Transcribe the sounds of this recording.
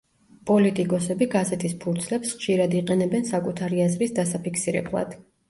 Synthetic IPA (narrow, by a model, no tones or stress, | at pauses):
pʼɔlit̪ʼikʼɔsɛbiɡazɛt̪ʰispʰuɾt̪sʰlɛpsχʃiɾad̪iqʼɛnɛbɛnsakʼut̪ʰaɾiazɾisd̪asapʰiksiɾɛ̰blˠa̰d̪̥